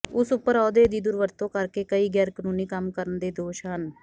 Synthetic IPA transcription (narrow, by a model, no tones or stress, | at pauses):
ʊsʊpːəɾɔːd̪eːd̪iːd̪ʊɾʋəɾt̪õːkəɾkeːkəiːɡɛːɾkənuːniːkəmkəɾənd̪eːd̪oːʃɦən